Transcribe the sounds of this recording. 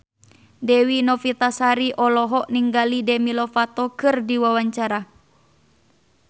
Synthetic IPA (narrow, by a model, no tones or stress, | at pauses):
dɛwinɔfit̪asaɾiʔɔlɔɦɔʔniŋɡalidɛmilɔfat̪ɔkɨrdiwawaɲt͡ʃaɾa